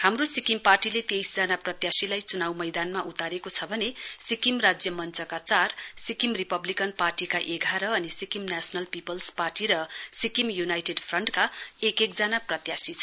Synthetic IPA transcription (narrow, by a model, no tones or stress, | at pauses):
hamrosikimparʈilet̪ejsd͡zʌnaprʌt̪jasilajt͡sunawmʌjd̪anmaʔut̪aɾekot͡sʰʌbʱʌnesikimrad͡zjʌmʌnt͡sʰʌkat͡sarsikimripʌblikʌnparʈikaʔeɡʱaɾʌʌnisikimnasʌnʌlpipʌlsparʈiɾʌsikimjunajʈeɖpʰrʌɳʈkaekek̚d͡zanaprʌt̪jasit͡sʰʌ